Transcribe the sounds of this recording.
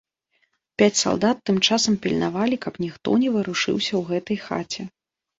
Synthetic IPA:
pʲat͡sʲsa̰lˠd̪at̪ːɨmt͡ʂasɐmpʲilʲnavalʲikɐpnʲixt̪ɔ̰nʲɛvɨɾuʂɨ̰wsʲɐwɣɛt̪ɐjxa̰t͡sʲɛ

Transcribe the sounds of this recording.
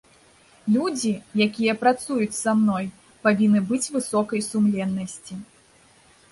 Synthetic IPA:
lʲud͡zʲijakʲijɐpɾat̪sujut͡sʲsamnɔj | pavʲinːɨbɨt͡sʲvɨsɔkɐjsumlʲɛnːɐsʲt͡sʲi

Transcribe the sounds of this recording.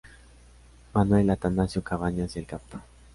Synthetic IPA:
manwelat̪anasjokaβaɲasjelkapt̪ḁ

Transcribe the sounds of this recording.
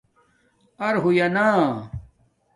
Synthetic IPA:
ɐɾɦujɐnaː

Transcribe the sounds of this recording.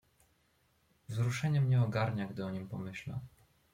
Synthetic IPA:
vzɾuʂɛɲɛmɲɛɔɡaɾɲaɡd̪ɘɔɲimpɔmɘɕla̰

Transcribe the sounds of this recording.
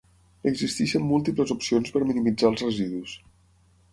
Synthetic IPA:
əɡzist̪iʃəmːulˠt̪ipləzupsionspəɾminimid͡zalˠzrəziðus

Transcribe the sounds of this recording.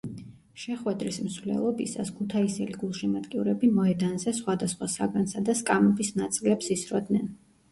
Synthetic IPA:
ʃɛχwɛd̪ɾismsvlɛ̰lˠɔbḭsa̰skʰut̪ʰaisɛliɡulˠʃimad̪kʼiuɾɛbimɔɛd̪anzɛsχwad̪asχwasaɡansad̪askʼamɛbisnat̪sʼilɛpsisɾɔd̪nɛn

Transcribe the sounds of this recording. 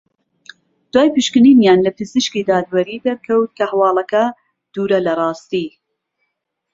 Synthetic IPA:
d̪̥waːjpɨʃkɨninjaːnlɐpɨzɨʃkid̪aːd̪wɐɾiːd̪ɐɾkʰɐwt̪̚kʰɐhawɑːlˠɐkɐ | d̪̥uːɾɐlɐrˤɑːst̪iː

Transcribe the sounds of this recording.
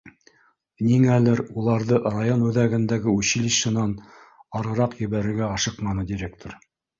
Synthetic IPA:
niŋælɘɾulˠɑɾðɤrajonʉðæɡɘ̆nd̪æɡɘʉɕilʲiʃɤ̆nɑn | ɑɾɤ̆ɾɑqjɘ̆βæɾɘ̆ɾɡæɑʃɤqmɑnɤd̪ʲiɾʲek̚t̪ʰoɾ

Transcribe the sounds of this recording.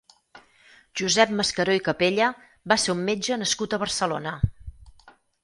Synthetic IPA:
ʒ̥uzɛp̚məskəɾojkəpeʎə | baseumːed͡ʒənəskut̪əβərsəlonə

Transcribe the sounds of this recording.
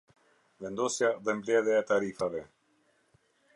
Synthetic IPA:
vɛnd̪ɔsjaðɛmblɛðɛat̪aɾifavɛ

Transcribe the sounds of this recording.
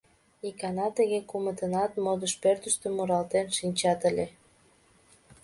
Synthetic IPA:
ikɑnɑt̪əɣekumət̪ənɑt̪mod̪əʃpørt̪əʃt̪ə̆mːuɾɑlt̪enʃinʲt͡ɕɑt̪əlʲe

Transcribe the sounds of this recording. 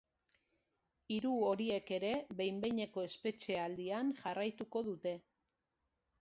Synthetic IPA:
iɾuo̞ɾie̞ke̞ɾe̞βe̞jmbe̞jɲe̞ko̞e̞spe̞t͡ʃe̞ald̪ianʝarajt̪uko̞ðut̪e̞

